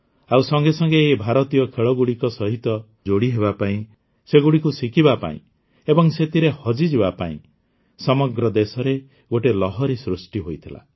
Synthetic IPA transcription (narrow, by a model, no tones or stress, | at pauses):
awsɔŋɡesɔŋɡeːbʱaɾɔt̪ijɔkʰeɭɔɡuɽikɔsɔɦit̪ɔ | d͡ʒoɽiɦeβapaĩ | seɡuɽikusikʰibapa̰ḭ̃ | ebɔŋset̪iɾehɔd͡ʒid͡ʒibapaḭ̃ | sɔmɔɡɾɔd̪esɔɾe | ɡoʈelɔɦɔɾisɾusʈiɦojt̪ʰila̰